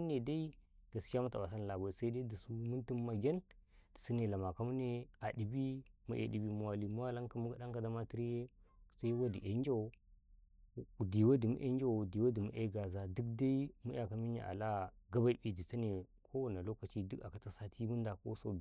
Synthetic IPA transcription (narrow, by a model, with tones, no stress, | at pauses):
ne˨da˦i˦ɡa˨skʲa˦mu˦ta˨a˨sa˦n˨la˨ba˨sa˦i˦da˦di˨su˦mu˦nti˦mma˨ɡʲe˦nd̥i̥˨si˦ne˨la˨ma˨ka˦mu˦ne˦a˨di˨bi˦mṵ˦ʔḛ˨di˨bi˦mu˨wa˨li˦mu˦wa˦la˦ŋka˦m˦ka˦da˦ŋka˨da˦ma˦ti˦ɾje˦sa˦i˦wa˦di˨ʔe˦n˦d͡ʒa˦wo˨˦˨ | di˨wa˦di˨mṵ˦ʔḛ˦n˦d͡ʒa˦wo˨di˨wa˦di˨mṵ˦ʔe˦ɡa˨za˨du˦kda˦i˦mu˦ja˨ka˨mi˦ɲ˦a̰˨ʔa̰˨la˦ɡa˦ba˦bi˦di˨ta˦ne˨kʰo˦wa˦˨na˨lo˦ka˨t͡ʃi˦di˦ka˨ka˨˦ta˦sa˦tʰi˦mu˦nda˨ko̰˦so˦˨